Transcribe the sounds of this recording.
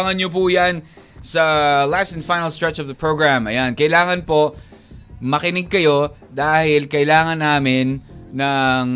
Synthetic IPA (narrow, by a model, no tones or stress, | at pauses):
ŋɐnɲop̬uːjansɐlast̪ɛ̃nfajnɐlst̪ɹɛt͡ʃɔvðɐpɹoɡɹamʔɐjankɐʔɪlaːŋɐnpo̞ | mɐkɪnɪɡ̚kɐjo̞ | d̪aːhɪlkɐʔɪlaːŋɐnːaːmɪnːɐŋ